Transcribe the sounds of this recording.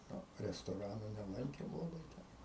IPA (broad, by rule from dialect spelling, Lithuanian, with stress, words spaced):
ˈnʊ rʲɛstoːˈrɑːnʊ nʲɛˈlˠɐŋʲkʲeːm lˠɐˈbɐɪ tʲɛn